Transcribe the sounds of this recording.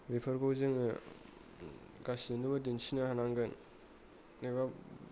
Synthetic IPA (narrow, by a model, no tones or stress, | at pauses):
bepʰɐɾɡowzɯŋɯ | ɡasinubadinsinahanaŋɡɯnː | eba